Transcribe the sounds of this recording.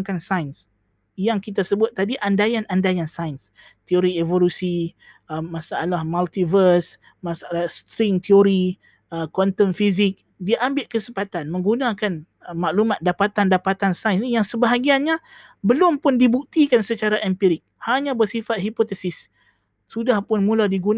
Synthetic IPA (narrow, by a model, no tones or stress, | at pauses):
ŋkansajns | jaŋkit̪asəbʊt̪̚ːadiʔandajanʔandajansajns | t̪ioɾievolusi | əmasaʔalahmalt̪ivərs | masaalast̪ɾɪŋt̪ioɾi | əkɔnt̪ənfizɪk̚ | diaʔambɪlʔkəsəmpat̪anmə̃ŋɡunãkan | əmaʔlumat̪̚dapat̪andapat̪ansajnsnijaŋsəbaɦaɡianɲa | bəlʊmpʊndibuk̚t̪ikansət͡ʃaɾaʔɛmpiɾɪk̚haɲãbərsifat̪̚hipot̪ɛsɪs | sudahpʊnmũladiɡun